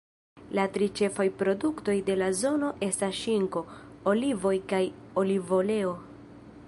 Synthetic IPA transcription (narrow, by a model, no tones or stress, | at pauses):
latɾit͡ʃe̞fajpɾo̞dukto̞jde̞lazo̞no̞ʔe̞stasʃiŋko̞olivo̞jkajo̞livo̞le̞o̞